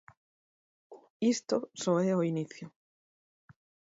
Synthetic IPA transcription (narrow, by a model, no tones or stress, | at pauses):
ist̪osoeoiniθjo